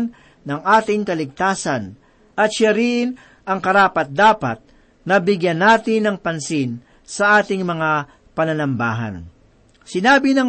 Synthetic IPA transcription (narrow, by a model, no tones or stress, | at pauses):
nː | ɐŋʔaːt̪ɪŋkɐlɪɡ̚t̪aːsɐn | ʔɐt̪ʃaɾɪn | ʔɐŋkɐɾaːpɐt̪̚d̪aːpɐt̪̚ | nɐbɪɡjɐnːaːt̪ɪnɐŋpɐnsɪn | sɐʔaːt̪ɪŋmɐŋa | pɐnɐnɐmba̰ːɦɐ̰n | sɪnaːbɪnɐŋ